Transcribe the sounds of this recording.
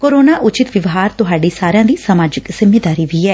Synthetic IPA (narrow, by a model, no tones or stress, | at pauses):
koːɾoːnaːʔʊt͡ʃɪt̪ʋɪʋɦaːɾt̪ʊɦaːɖiːsaːɾɪjãːd̪iːsəmaːd͡ʒɪkz̥ɪmːeːd̪aːɾiːʋiːɛː